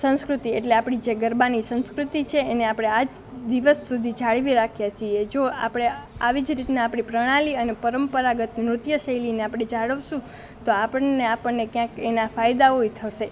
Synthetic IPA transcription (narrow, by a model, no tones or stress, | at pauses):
sə̃ñskɾut̪ieʈleapɽ̃id͡ʒeɡəɾbanisə̃ñskɾut̪it͡ʃʰeːneapɽ̃ead͡ʒ | d̪iʋəsːud̪ʱid͡ʒaɭʋiɾakʰjat͡ʃʰied͡ʒoa̰pɽ̃eaʋid͡ʒɾit̪naːpɳ̃ipɾəɽ̃ãliənepəɾəmpəɾaɡət̪mɾʊt̪jəʃəilineapɽed͡ʒaɭəʋʃũ | t̪oapəɳneapəɳnekjãkenafajd̪aoit̪ʰəʃe